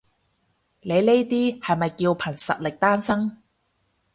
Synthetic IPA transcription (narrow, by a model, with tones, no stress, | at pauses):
le˨˧jne˥jt̪iː˥hɐ˨jmɐ˨jkiː˧wpʰɐ˨˩nsɐ̰˨t̚lɪ˨k̚t̪aː˥nsɐ˥ŋ